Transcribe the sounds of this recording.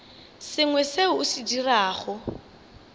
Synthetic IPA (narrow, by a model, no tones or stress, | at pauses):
sɪŋwɛseʊːsidiraːχʊ